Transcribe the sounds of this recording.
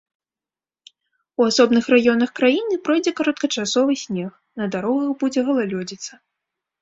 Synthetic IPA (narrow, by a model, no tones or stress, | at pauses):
uasɔbnɨxrajɔnɐxkɾajinɨpɾɔjd͡zʲɛkaɾɐt̪kɐt͡ʂasɔvɨsʲnʲɛx | nɐd̪aɾɔɣɐɣbud͡zʲɛɣɐlˠalʲɔd͡zʲit̪sɐ